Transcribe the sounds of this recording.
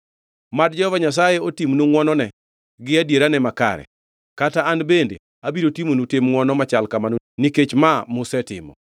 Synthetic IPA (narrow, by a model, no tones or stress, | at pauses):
mad̚d͡ʒɔɔvaɲas̬ajeotimnuŋwɔnɔnɛ | ɡɪadjeɾanɛmaka̰ɾɛ̰ | kataanbendḛ | abiɾotimonutemŋwɔnɔmat͡ʃalkamano | niket͡ʃmamʊsɛtɪ̰mɔ̰